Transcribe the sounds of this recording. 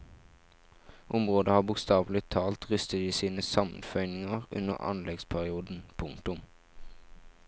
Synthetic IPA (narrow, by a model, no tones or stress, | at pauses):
ʔʊmʁoːd̪əhɑːbʊkst̪ɑːʋl̩ɪt̪ʰɑːlt̪ʁʏst̪əd̪iːsiːnəsɑmnfœʏnɪŋəʁʉ̰nə̰ʁɑ̰nlɛɡspʰæʁɪuːd̪n̩pʰʊŋt̪ʊm